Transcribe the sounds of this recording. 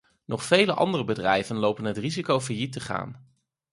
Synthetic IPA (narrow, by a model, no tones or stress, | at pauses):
nʔɔχfejləʔɑ̰ndərəbədrɛjvənlowpənɦətrizikowvəjitəχa̰ːn